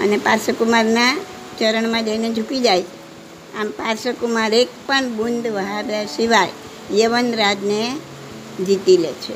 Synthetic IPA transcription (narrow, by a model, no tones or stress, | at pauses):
ə̰nepaɾsəkumaɾna | t͡ʃəɾəɳmãd͡ʒəined͡ʒʱukid͡ʒajt͡ʃʰe̥ | ampaɾsəkumaɾek̚pəɳbund̪ʱʋəɦabjasiʋaj | jəʋənɾad͡ʒne | d͡ʒit̪ilḛt͡ʃʰe